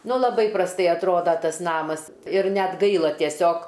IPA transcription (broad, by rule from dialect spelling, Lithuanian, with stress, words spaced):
ˈnʊ lˠɐˈbɐɪ prɐsˈtɐɪ ɐtˈroːdɐ ˈtɐs ˈnɑːmɐs ɪr ˈnʲɛt ˈɡɐɪlˠɐ tʲiɛˈsʲoːk